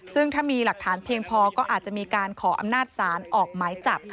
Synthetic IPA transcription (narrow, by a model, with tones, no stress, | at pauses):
sɯ˥˩ŋt̪ʰaː˥˩miː˧la˨˩k̚t̪ʰaː˩˦npʰi˧əŋpʰɔː˧kɔː˥˩ʔaː˨˩t̪̚t͡ɕa˨˩miː˧kaː˧nkʰɔː˩˦ʔa̰˧mnaː˥˩t̪̚saː˩˦nʔɔː˨˩k̚maː˩˦jt͡ɕa˨˩p̚kʰ